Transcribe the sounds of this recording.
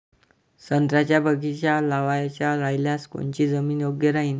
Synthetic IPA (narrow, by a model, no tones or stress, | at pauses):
sənt̪ɾat͡ɕjabəɡit͡ɕjalaʋajat͡ɕjaɾajljasko̰ɳt͡ɕiːd͡zəmiːnjoɡjəɾaɦiːn